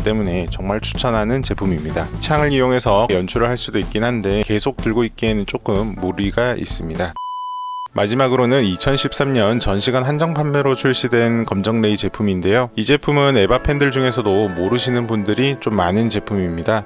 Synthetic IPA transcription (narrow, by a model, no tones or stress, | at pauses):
t͈e̞mune̞t͡ɕʌŋmaɭt͡ɕʰu̥t͡ɕʰʌnɦanɯnt͡ɕe̞pʰumimɲidat͡ɕʰaŋɯɭijoŋe̞sʰʌjʌnt͡ɕʰuɾɯɭɦaɭs͈udoik͈inɦande̞ke̞sʰok̚t͈ɯɭɡoit̚k͈eɦenɯnt͡ɕ͈ok͈ɯmːoɾiɡaʔḭs͈ɯmɲida | mʔad͡ʑimaɡɯɾonɯnit͡ɕʰʌnɕʰip̚s͈amɲʌnt͡ɕʌnɕʰiɡanɦand͡ʑʌŋpʰambeɾot͡ɕʰuɭɕ͈idwe̞nkʌmd͡ʑʌŋne̞it͡ɕe̞pʰuminde̞joid͡ʑe̞pʰumɯne̞bapʰe̞ndɯɭd͡ʑuŋe̞s̬ʰʌdomoɾɯɕʰinɯnbundɯɾit͡ɕ͈omːanɯnt͡ɕe̞pʰumimɲida